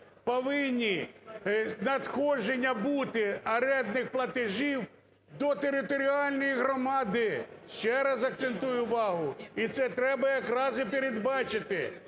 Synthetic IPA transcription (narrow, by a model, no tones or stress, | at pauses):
pɔʋɪnʲːi | nɐd̪xɔʒenʲːɐbut̪ɪɐɾɛd̪nɪxplˠɐt̪ɪʒiw | d̪ɔt̪eɾɪt̪ɔɾʲiɑlʲnɔjiɦɾɔmɑd̪ɪʃt͡ʃɛɾɐzɐk̚t̪sent̪ujʊʋɑɦʊit̪sɛt̪ɾɛbɐjɐkɾɑzɪpʲeɾʲed̪bɑt͡ʃɪt̪ɪ